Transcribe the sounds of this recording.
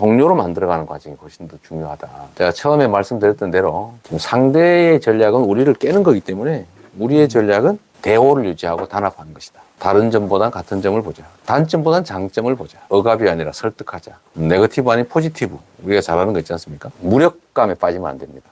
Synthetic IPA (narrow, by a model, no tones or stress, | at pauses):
toŋɲoɾomandɯɾʌɣanɯnkwa̰d͡ʑʌŋihoɕʰindot͡ɕuŋjoɦadat͡ɕeɡat͡ɕʰʌʌme̞maɭs͈ɯmdɯɾjʌtʰːɯnde̞ɾosʰaŋde̞ːt͡ɕʌʎːaɡɯnuɾiɾɯɭk͈e̞nɯnɡʌɡit͈e̞mune̞ | uɾie̞t͡ɕʌʎːaɡɯn | te̞woɾɯɭjud͡ʑiɦaɡotanapʰanɯnɡʌɕʰi̥d̥ḁ | taɾɯnd͡ʑʌmbodankatʰɯnd͡ʑʌmɯɭpod͡ʑatant͡ɕ͈ʌmbodant͡ɕaŋt͡ɕ͈ʌmɯɭpod͡ʑaʌɡabiaɲiɾasʰʌɭt͈ɯ̥kʰad͡ʑa | ne̞ɡʌtʰibuaɲinpʰod͡ʑitʰibu | uɾiɡat͡ɕaɾɦanɯnɡʌitt͡ɕ͈ians͈ɯmɲik͈amuɾjʌk̚k͈ame̞p͈ad͡ʑima̰ndwemɲid̥a